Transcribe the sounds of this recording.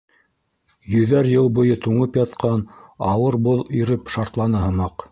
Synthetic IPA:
jɵ̆ðæɾjɤlˠbŏjɤt̪uɴɤpjɑt̪qʰɑnɑwɤɾboðiɾɘpʃɑɾt̪lˠɑnɤɦɤ̆mɑq

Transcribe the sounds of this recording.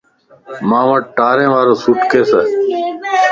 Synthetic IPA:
mãːʋəʈ̚ʈaːɾẽːʋaːɾoːsuʈkeːseː

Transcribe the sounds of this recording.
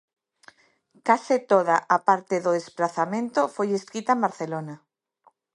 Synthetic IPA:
kasɪt̪oð̞aʔapaɾt̪eðoðesplaθamẽnt̪ofojeskit̪amaɾθelona

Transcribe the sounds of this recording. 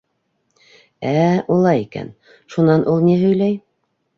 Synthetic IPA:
æulˠɑjikæ̰n | ʃunɑnʔulˠniɦɵ̆jlæj

